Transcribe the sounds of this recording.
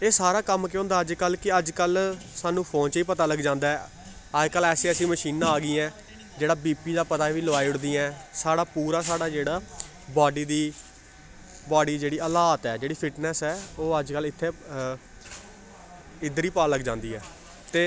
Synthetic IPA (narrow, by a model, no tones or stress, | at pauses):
eːsaːɾaːkəmkeõːnd̪aːəd͡ʒkəlkɪəd͡ʒkəlsaːnũːpʰõːnt͡ʃiːpət̪aːləɡd͡ʒãːnd̪aːɛː | əd͡ʒkəlɛːseːəsĩːməʃiːnãːɡiːɛ̃ː | d͡ʒeːɽaːbiːpiːd̪aːpət̪aːʋiːlʋaːiʊɽd̪iːãɛ̃ːsaːɽaːpuːɾaːsaːɽaːd͡ʒeːɽaː | baːɖiːd̪iː | baːɖiːd͡ʒeːɽiːəlaːt̪ɛːd͡ʒeːɽiːpʰɪʈnɛːsɛːoːəd͡ʒkəlɪt̪ʰːeː | ɪd̪əɾiːpaːləɡd͡ʒãːnd̪iːɛː | t̪eː